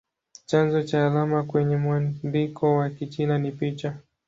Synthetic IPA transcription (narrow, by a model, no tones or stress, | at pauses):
t͡ʃanzɔt͡ʃaːlamakwɛɲɛmwandikʰɔwakit͡ʃinanipit͡ʃa